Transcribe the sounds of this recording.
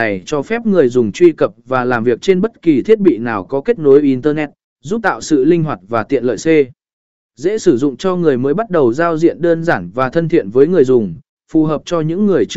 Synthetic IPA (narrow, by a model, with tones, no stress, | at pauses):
a˨˩jt͡ɕɔ˧fɛ˦˥p̚ŋɨ˨˩əjzʊ˨˩ŋ͡mt͡ɕwi˧kə˨˩p̚vaː˨˩laː˨˩mvi˨˩ək̚t͡ɕe˧nɓə˦˥t̚ki˨˩t̪ʰi˦˥ət̚ɓḭ˧˨naː˨˩wkɔ˨˦ke˦˥t̚no˨˦jʔi˧˩nt̪əː˧nɛ˦˥t̚ | zu˦˥t̪a̰ː˧˨wsɨ̰˧˨lï˧ŋ̟ɦwa˨˩t̚vaː˨˩t̪ḭ˧˨ənlə̰ː˧˨jse˧ | zɛ̰˧˥sɨ˧˩zʊ̰˧˨ŋ͡mt͡ɕɔ˧ŋɨ˨˩əjməː˨˦jɓa˦˥t̚ɗə˨˩wzaː˧wzḭ˧˨ənɗəː˧nzaː˧˩nvaː˨˩t̪ʰə˧nt̪ʰḭ˧˨ənvəː˨˦jŋɨ˨˩əjzʊ˨˩ŋ͡m | fu˨˩ɦəː˨˩p̚t͡ɕɔ˧ɲɨ̰˧˥ŋːɨ˨˩əjt͡ɕ